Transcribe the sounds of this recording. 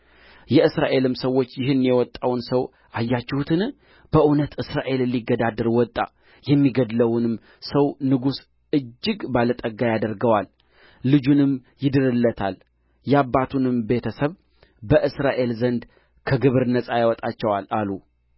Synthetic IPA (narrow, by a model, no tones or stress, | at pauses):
jɛʔɨsɾaʔe̞lɨmsəwːo̞t͡ʃːjɪɦɨnːjɛwɔt̪ʼːawnsəw | ʔajːat͡ʃːɛhut̪ʰɨn | b̥əʔunət̪ɨsɾaʔe̞lɨlːiɡːəd̪ad̪əɾwɔt̪ʼːa̰ | jɛmːiɡəd̪ləwnɨm | səwnɨɡus | ɨd͡ʒːɨɡbalət̪ʼəɡːajad̪əɾɡəwalː | ɨd͡ʒunɨmjɪd̪ɨɾɨlːət̪ʰal | jɛabːat̪ʰunɨmbe̞t̪ʰəsəβ | bəʔɨsɾaʔe̞lzənd̪ | kʰəɡɨβɨɾnəsʼajawɔt̪ʼat͡ʃːɛwalalu